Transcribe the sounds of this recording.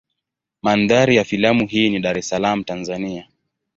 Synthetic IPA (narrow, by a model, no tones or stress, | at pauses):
manðaɾijafilamuɦiːniɗaɾɛsalam̩tanzania